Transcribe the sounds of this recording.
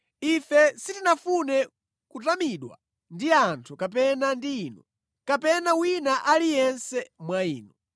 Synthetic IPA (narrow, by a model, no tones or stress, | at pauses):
ifɛsitinafunɛ | kutamiɗwa̰ | ndiantʰukap̬ɛnandiːnɔ | kapɛnawinaʔalijɛnsɛmwaiːnɔ